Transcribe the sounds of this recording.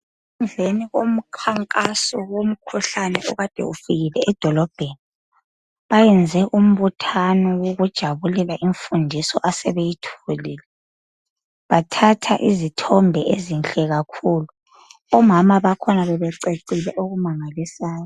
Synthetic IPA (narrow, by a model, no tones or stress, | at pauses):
und͡ɮʱeniɣom̩kʰaŋkʼasɔwom̩kʰuɬanɛɔɣad̥ʱɛ̰ufiɣilɛʔːd̥ʱɔlɔb̥ʱeni | βajɛnd͡zʱɛʔum̩βutʰanɔwoɣud̥ʒ̥ʱaβulɛlaʔiɱfundʱisɔʔasɛβejitʰuuliːlɛ | βatʰatʰa̰ʔizitʰɔmbʱɛʔezinɬɛɣakʰulu | ɔmamaβakʰɔnaβɛβɛǀeǀilɛʔoɣumaŋalisaːjɔɔ